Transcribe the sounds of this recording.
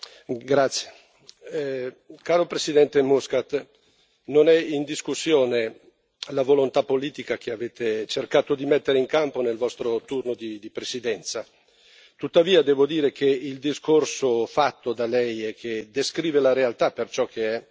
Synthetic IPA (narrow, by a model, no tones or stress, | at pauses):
ɡɾat̪sːje̥ | kaːɾopɾesid̪ɛnt̪emuskat̪ | nonɛind̪iskusːjoːne | lavolont̪apːoliːt̪ikak̟eaveːt̪et͡ʃerkaːt̪od̪imɛt̪ːeɾeiŋkamponelvɔst̪ɾot̪urnod̪id̪ipɾesid̪ɛnt̪sa | t̪ut̪ːaviːad̪ɛːvod̪iːɾek̟ʰeild̪iskorsofat̪ːod̪alɛjekʰːed̪eskɾiːvelaɾealt̪apːert͡ʃɔkʰːeɛ